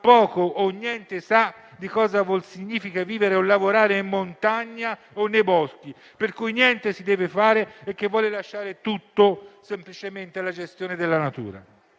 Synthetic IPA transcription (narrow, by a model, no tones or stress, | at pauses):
pːɔːkoʔːnːjɛnt̪esa | d̪ikɔːzavolsiɲːiːfikaviːveɾeolːavoɾaːɾeimːont̪aɲːa | onːejbɔski | perkujnjɛnt̪esid̪ɛːvefaːɾeːk̟ːevːwɔːlelaʃːaːɾet̪ut̪ːosemplit͡ʃement̪elad͡ʒest̪joːned̪elːanat̪ṵːɾa̰